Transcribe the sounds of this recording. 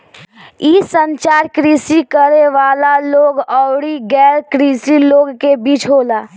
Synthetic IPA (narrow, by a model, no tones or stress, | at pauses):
iːsə̃nt͡ʃaːɾkɾiːsikəɾeʋaːlaloːɡɔːɽiɡɛːɾkɾiːsiloːɡkebiːt͡ʃɦoːlaː